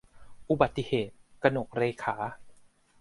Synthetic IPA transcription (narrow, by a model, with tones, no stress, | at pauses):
ʔu˧ba˨˩t̪ːi˧heː˨˩t̪̚ka˧no˨˩k̚ɾeː˧jkʰaː˩˦